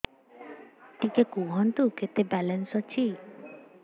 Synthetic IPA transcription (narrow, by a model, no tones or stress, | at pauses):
ʈikekuɦɔnt̪uket̪ebɛlensɔt͡ʃʰi